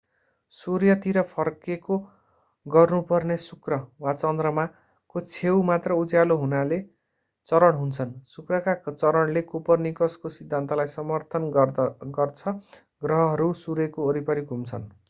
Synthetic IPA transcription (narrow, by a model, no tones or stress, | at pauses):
suɾjʌt̪iɾʌpʰʌrkeko | ɡʌrnupʌrnesukrʌwat͡sʌnd̪rʌma | kot͡sʰewmat̪rʌud͡zjaloɦunale | t͡sʌɾʌɽɦunt͡sʰʌnsukrʌkat͡sʌɾʌɽlekupʌrnikʌskosid̪ʱːant̪alajsʌmʌrt̪ʰʌnɡʌrt͡sʰʌ | ɡrʌɦʌɦʌɾusuɾekoːɾipʌɾiɡʱumt͡sʰʌn